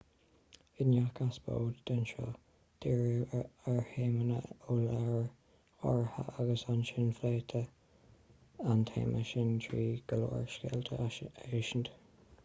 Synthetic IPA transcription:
ɪnjakasb̥o̰ːd̪d̪̥ənʃoː | d̪̥iːɹəəɹheːmənə̰ʊlaɹ | ɔɹhə̰ʔaɡəsanʃɪnfleːt̪ʰə | ant̪ʰḛːmʔəʃɪnt̪ʰɹiːɡ̥əlo̰ːɹʃkɛ̰ːlt̪ʰəʃənd̪

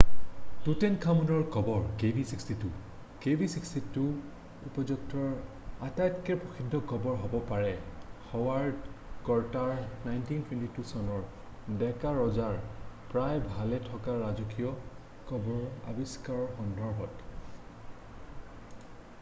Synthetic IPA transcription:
tutɛnkʰamunɔɹkɔbɔɹkebʱisikstitu | kebʱisikstitu | upɔzuk̚tɔɹ | atajtkɛɹpɹɔxʰidʱːɔkɔbɔɹɦɔbɔpaɹɛxɔwaɹdkɔɹtaɹnajntintwɛntitusɔnɔɹ | dɛkaɹɔzaɹpɹajbʱalɛtʰɔkaɹazɔkijɔ | kɔbɔɹa̰biskaɹɔɹxɔndʱɔɹbʱɔt

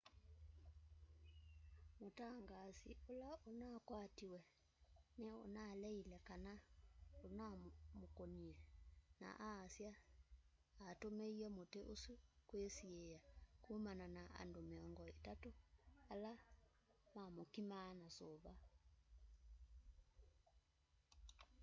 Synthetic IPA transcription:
motaŋɡasḭolaonakwatiwɛ | neo̰nalɛilɛkanaonamokoniɛna̰ʔaːsjaː | tomeiɔmoteʔosukwesiejakumananaʔa̰ndomeɔŋɡɔetatoala | mamokimaːnasoβa

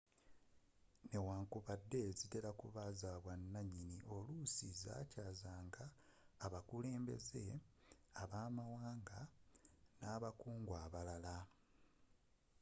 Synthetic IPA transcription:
ne̞waːŋkuβadːe̞zite̞lakuβazaːβwanːaɲːiniʔo̞lusiza̰ːcaːzaːŋɡaː | βakule̞ːmbe̞̰ze̞ | aβaːmawaːŋɡa | naːβakuːŋɡwaːβalala

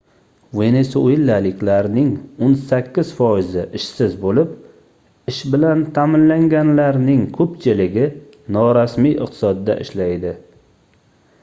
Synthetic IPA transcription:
ve̞nesoilːalɪkʲʰlaɾnɪŋonsakʲːɪz̥fɒjɪzɪʔɪʃsɪzbolɪp̚ | ɪʃbɪlant̪ʰamɪnlaŋɡʲanlaɾnɪŋkʰɵpt͡ʃʰɪlɪɡʲɪ | nɒɾasmijɨ̰qt̪ʰɪ̥sɒd̪ːa̰ʔɪ̰ʃlajd̪ɪ

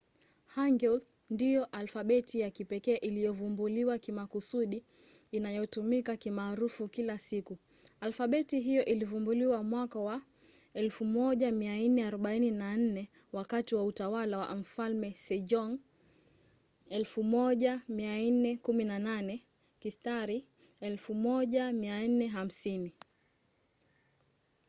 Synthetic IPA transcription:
haŋɡɛl | ndijɔʔalfaɓɛtijakipɛkɛːʔilijɔvumbuliwakimakusuɗiː | najɔtumikakimaːɾufukilasiku | alfaɓɛtiɦijɔʔilivumbuliwamwakawa | ɛlfumɔʄamiainɛaɾɔɓaininan̩nɛ | wakatiwautawalawa̰m̩falmɛsɛd͡ʒɔŋ | ɛlfumɔʄamian̩nɛkuminananɛ | kistaɾi | ɛlfumɔʄamian̩nɛɦam̩sini

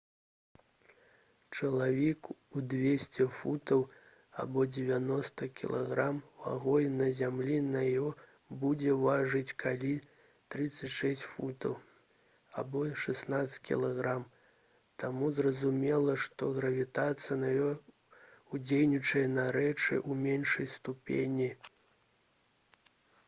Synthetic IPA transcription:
t͡ʂɐlˠavʲɛkud̪vʲesʲt͡sʲɛfut̪ɐw | a̰bɔd͡zʲɛvʲanɔst̪ɐkʲḭlˠaɣɾamwa̰ɣɔjnɐzʲamlʲinɐjɔ | bud͡zʲɛvaʐɨt͡sʲkʰalʲi | t̪ɾɨt̪sːɐt͡sʲʂɛsʲt͡sʲfut̪ɐw | abɔʂɛsnat̪sʲkʲḭlˠaɣɾam | t̪amuzrɐzumʲɛlˠɐʂt̪ɔɣɾɐvʲit̪at̪sɨjɐnɐjɔ | ud͡zʲejnʲit͡ʂɐjɐnɐɾɛt͡ʂɨ̰ʔumʲenʂɐjst̪upʲḛnʲi

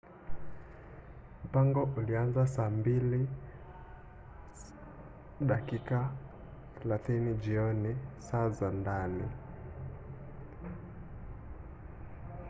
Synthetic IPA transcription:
mm̩paŋɡɔʔulianzasaːmbili | ɗakikaθɛlaθinid͡ʒiɔnisazandani

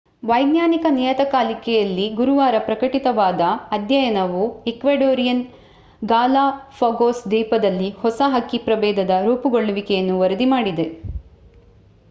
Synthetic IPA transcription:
ʋɐjɡnjaːnikɐniːjɐt̪ɐkaːlikɛjɐlːiɡuɾuʋaːɾɐpɾɐkɐʈit̪ɐʋaːd̪ɐːd̪jɐjɐnɐʋuekʋeːɖoːɾijɐn | ɡaːlaːpʰɐɡoːsd̪iːpɐd̪ɐlːihɔsɐɦɐkːipɾɐbɛːd̪ʱɐd̪ɐɾuːpuɡoɭːuʋikɛjɐnːuʋɐɾɐd̪imaːɽid̪e̞

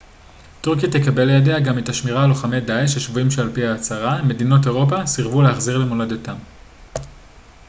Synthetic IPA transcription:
tuʁkijat̪ekabe̞lejadeaɡametaʃmiʁaloχamedaeʃeʃvuimʃealpiaːt͡saʁame̞dino̞t̬e̞ʁo̞pasiʁvuleaχziʁle̞moladotam

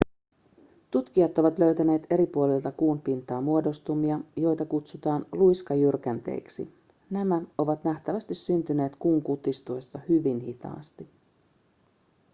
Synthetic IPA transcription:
t̪ut̪k̟iɑt̪o̞ʋɑt̪lø̞ɥt̪æne̞ːt̪e̞ɾipuolilt̪ɑkuːnpint̪ɑːmuo̞do̞st̪umiɑjo̞jt̪ɑkut̪sut̪ɑːnlujskɑjyrk̟ænt̪ḛiksḭ | næmæo̞ʋɑt̪næht̪æʋæst̪isːynt̪yne̞ːt̪kuːŋkut̪ist̪uesːɑhyʋinhit̪ɑ̰ːst̪i

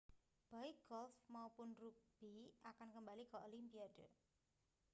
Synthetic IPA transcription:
b̥aiɡ̥ɔlfmaupʊnrub̥iakankəmbalikɔolimpiad̥ə

